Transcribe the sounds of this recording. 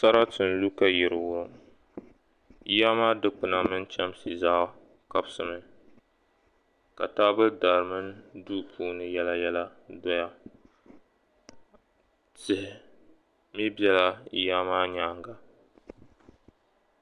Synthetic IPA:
sa˦ɾa˦tɨ˨n˨lu˦ka˦jɪ˨ɾɨ˨wʊ˦ɾ | i˦ja˦maː˦dɨ˦k͡pɨ˨na˦mɨ˦nt͡ʃɛ˦msi˨zaː˦ | ka˦bsɨ˨mɨ˦ | ka̰˨taː˦bɨ˦da˨ɾɨ˨mɨ˦ndu˦pʰuː˦nɨ˨jɛ˦la˦jɛ˦la˦dɔ˦ja˦ | tɪ˨hɪ˨ | mi˦bjɛ˦la˦ḭ˦ja˦maː˦ɲaː˦ŋɡa˨

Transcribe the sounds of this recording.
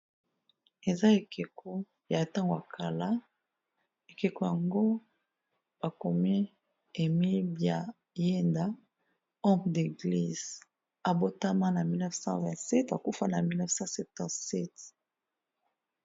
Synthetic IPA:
e˨za˦e˨ke˨kʰo˦ | ja˨ta˦ŋɡo˨a˨kʰa˨la˦ | e˨ke˨ko˨ja˨ŋɡo˦ | b̥a˨ko˨me˦ | e˨mi˦bja˨ | je˦nda˦ | ɔ˦de˨ɡli˨z | a˨bo˦ta˦mã˦na˨mi˦lnɛ˦fsɑ̰̃˦vɛ̃˨tsɛ˦ta˨ku˦fa˦na˨mi˦lnɛ˦fsɑ̃˦sɛ˨p̚tã˨sɛ˦t

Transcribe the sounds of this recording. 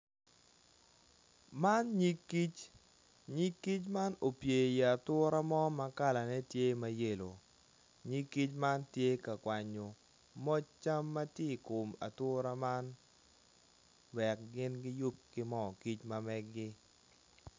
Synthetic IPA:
ma˦nɲi˦kːi˦t͡ʃ | ɲi˦kːi˦t͡ʃma˦no˨pje˨ja˨a˨tʊ˦ɾa˦mɔ˦ma˦ka˦la˨nɛ˦tje˦ma˦je˦˨lo˨ | ɲi˦kːi˦t͡ʃma˦ntje˦ka˨kwa˨ɲo˨ | mɔ˦t͡ʃa˦mːa˦tje˦˨ko˨ma̰˨tʊ˦ɾa˦ma˦n | wɛ˨k̚ɡɪ˦nɡɪ˦ju˦p̚kɪ˦mɔ˦˨ki˦t͡ʃma˦mɛ˦ɡːɪ˦

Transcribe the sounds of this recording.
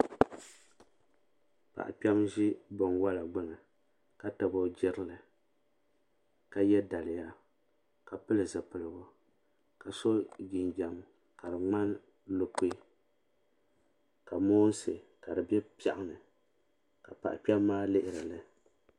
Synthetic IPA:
pa̰˨ʔa̰˨k͡pɛ˦mʒi˦bɔ˨nwa˦la˨ɡ͡bɨ˦ŋɨ˨ | ka˦ta˨bɔ˦d͡ʒɪ˦ɾɨ˦lɨ˨ | ka˨jɛ˦da˨lɪ˨ja˦ | ka˨pɨ˦lɨ˨zɨ˨pɨ˨lɨ˨bʊ˦ | ka˨so˦ɡɪ˨nd͡ʒa˨m | ka˨ɾɨ˨ŋ͡ma˦n | lo˦k͡pe˦ | ka˨moː˦n˦sɨ˨ka˨dɨ˨bɛ˦pa˦ʔʊ˦nɨ˨ | ka˨pa̰˨ʔa˨k͡pɛ˦mː˦aː˦lɪ˦ʔɪ˨ɾa˨lɨ˦

